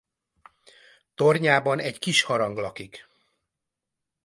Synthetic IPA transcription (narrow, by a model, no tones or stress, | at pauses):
t̪orɲaːbɒnɛckiʃhɒɾɒŋɡlɒkik